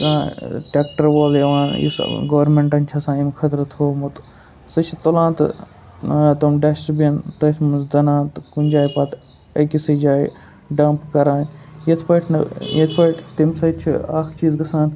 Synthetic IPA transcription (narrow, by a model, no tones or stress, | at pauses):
kaʈeːk̚ʈɐɾʋoːljɐʋãːnjḭsɡɐʋɾmẽɳʈɐnʲt͡ʃʰɐsãːimkʰɐt̪ɾɐt̪ʰɦoːmut̪ | sɐt͡ʃʰit̪olãːnt̪ | t̪ɐmɖɐssbint̪ɐsʰmɐzd̪ɐnãːt̪kunʲd͡ʒaːjpɐt̪ | ɐkisid͡ʒaːi | ɖɐmpkɐɾaːnjɐt̪ʰpɐʈʲʰnɐ̰jɐt̪ʰpɐʈʰt̪imsɐt͡ʃʰḭaːkʰt͡ʃiːzɡɐsãːnt̪